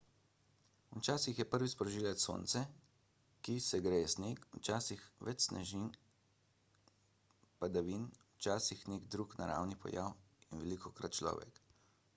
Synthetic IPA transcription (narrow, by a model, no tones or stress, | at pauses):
ut͡ʃaːsixjɛpəɾʋispɾɔʒiːlɛt̪so̰ːnt̪sɛ | kisɛɡɾesnekut͡ʃaːsixʋɛt͡ʃsnɛ̰ʒin | pad̪aʋinwt͡ʃaːsixnekd̪ɾukna̰ɾa̰wnipɔ̰jawinʋɛliːkɔkɾa̰t̪̚t͡ʃlɔ̰ːʋɛ̰k